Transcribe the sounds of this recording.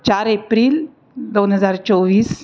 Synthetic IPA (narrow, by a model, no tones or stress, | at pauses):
t͡ɕaɾepɾiːl | d̪ownɦəd͡zaɾt͡soʋiːs